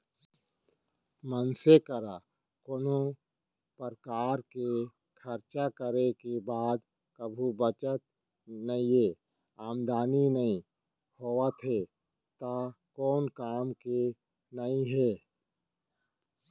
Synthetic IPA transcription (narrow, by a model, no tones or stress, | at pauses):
mənsekəɾa | konõ | pəɾkaːɾke | kʰəɾt͡ʃakəɾekebaːd̪ | kəbʱubət͡ʃət̪̚ | nəĩɦe | aːmd̪aːninəĩ | hoːʋət̪ɦe | t̪aːkɔːnkaːmke | nəĩɦɛː